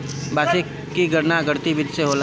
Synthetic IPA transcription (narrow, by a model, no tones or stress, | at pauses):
baːse | kiɡəɾnaɡəɾt̪ibɪd͡ʒseɦoːl